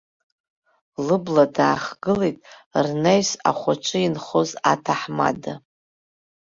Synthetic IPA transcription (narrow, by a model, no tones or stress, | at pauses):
lɨbladaːχɡ̥ɨlejtʼrnejsa̰χʷat͡ʃʷʼɨinχoza̰tʰaħma̰da